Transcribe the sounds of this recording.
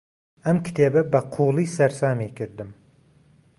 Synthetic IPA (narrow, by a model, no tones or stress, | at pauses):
amkʲʰɪ̥t̪ʰebɪbaqʰulˠijsaɾsaːmekʲʰɪɾd̪ɪm